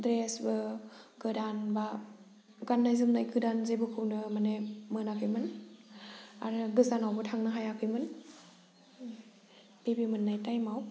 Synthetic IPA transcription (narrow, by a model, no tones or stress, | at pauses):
dɾesbɯɡɯdanba | ɡanːajzɯŋnajɡɯdanzebɯkʰɯwnɯmanemɯnakʰɯjmɯn | aɾɯɡɯzanawbɯtʰaŋnɯɦajakʰɯjmɯn | b̥ebimɯnːajtajmaw